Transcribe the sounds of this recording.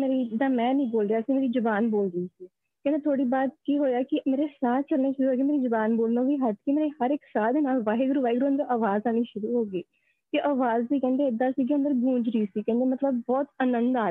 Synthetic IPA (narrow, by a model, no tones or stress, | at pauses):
meːɾiːd͡ʒɪd̪aːmɛ̃ːnĩːboːlɾejaːsĩːmeːɾiːd͡ʒʊbaːnboːlɾəiːsiː | kɛ̃ːd̪eːt̪ʰoːɽiːbaːd̪̚kiːɦoːjaːkɪmeːɾeːsaːt̪ʰt͡ʃəlneːʃʊɾuːɦoːɡiːmeːɾiːzʊbaːnboːlnõːʋiːɦət̪kimeːɾeːhəɾɪksaːd̪eːnaːlʋaːeɡɾuːʋaːɪɡɾuːənd̪əʔaːʋaːzaːniːʃʊɾuːɦoːɡiː | k̪eʔaːʋaːzd̪iːkɛ̃ːnd̪eːɪd̪ːaːsiːɡiə̃nd̪əɾɡũːd͡ʒɾəiːsiːkɛ̃ːnd̪eːmət̪ləbːɔːt̪ənənd̪aː